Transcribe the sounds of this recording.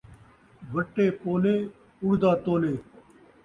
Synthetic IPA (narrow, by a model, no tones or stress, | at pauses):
ʋʱəʈːeːpoːleː | ʊɽd̪aːt̪oːleː